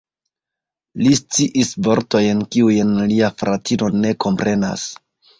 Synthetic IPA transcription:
list͡siʔisvo̞ɾto̞jnkiujnliafɾʔatino̞ne̞kʰo̞mpɾʔe̞na̰s

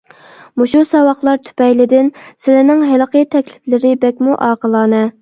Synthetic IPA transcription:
muʃusɑwɑχlˠɑɾt̪ʰy̥pɛjlɪd̪ɪnsɪlɪnɪŋɦɪləqʰəjt̪ʰɛkʲlɪ̥flɪɾɪbɛkʲmuʔɑːqʰəlˠɑːnɛ

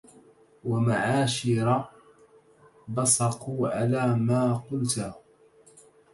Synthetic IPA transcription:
wamaʕaːʃɪɾˤɑ | bɑsˤɑquːʕalaːmaːqʊlt̪a

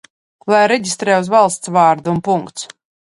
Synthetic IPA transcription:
lˠajɾɛɟʲist̪ɾɛːuzvalˠst̪svaːɾd̪uːnpuŋkt̪s

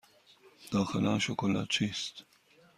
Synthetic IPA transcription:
d̪̥aːxəlanʃokʰola̰t͡ʃʰist̪

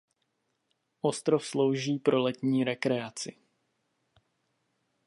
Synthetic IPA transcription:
ʔo̞st̪ɾofslo̞wʒiːpɾo̞lɛt̪ɲiːɾɛkɾɛat͡sɪ

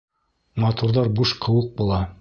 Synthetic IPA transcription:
mɑt̪uɾðɑɾbuʃqʰɤ̆wɤq̚bulˠɑ

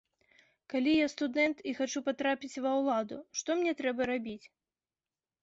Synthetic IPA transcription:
kalʲijast̪ud̪ɛnt̪ixat͡ʃupat̪ɾapʲit͡sʲvɐwlˠad̪ʊ̰ʂt̪ɔmnʲɛt̪ɾɛbɐɾabʲit͡sʲ

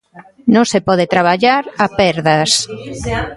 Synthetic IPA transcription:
nõŋsepɔð̞et̪ɾaβ̞aʎaɾapɛɾðɐs

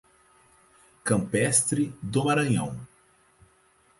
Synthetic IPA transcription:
kɐ̃mpɛst̪ɾɪd̪omaɾɐ̃ɲɐ̰̃w̃

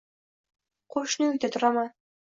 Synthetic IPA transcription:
qʰoʃnəɵkt̪et̪ʰʊɾɑmɑ

